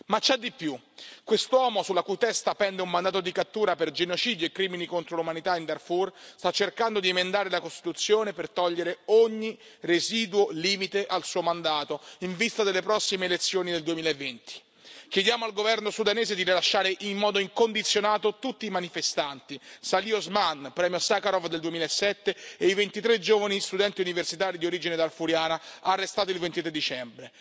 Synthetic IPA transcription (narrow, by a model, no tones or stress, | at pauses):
mat͡ʃːad̪ipːju | kːwest̪wɔːmosulːakuit̪ɛst̪apɛnd̪eumːand̪aːt̪̬od̪ikat̪ːuːɾaperd͡ʒenot͡ʃiːd̪joekːɾiːminikont̪ɾolumanit̪aind̪arfurst̪at͡ʃːerkand̪od̪iemend̪aːɾelakost̪i̥t̪ut̪sːjoːnepert̪ɔʎːeɾeoɲːireziːd̪uwoliːmit̪eʔalsuːomand̪aːt̪oiɱvist̪ad̪elːepɾɔsːimeːlet̪sːjoːnid̪eld̪uemiːlaevːent̪i̥ | kjed̪jaːmoalɡovɛrnosud̪aneːzed̪iɾilaʃːaːɾeʔimːɔːd̪oiŋkond̪it̪sːjonaːt̪ot̪ut̪ːiːmanifest̪ant̪isaliozmanpɾɛːmjosakaɾɔvd̪eld̪uemiːlaesːɛt̪ːeeivent̪it̪ɾed͡ʒoːvanist̪ud̪ɛnt̪iuniversit̪aːɾid̪ioɾiːd͡ʒined̪arfuɾjaːnaaːrːest̪aːt̪oilvent̪it̪ɾed̪it͡ʃɛmbɾe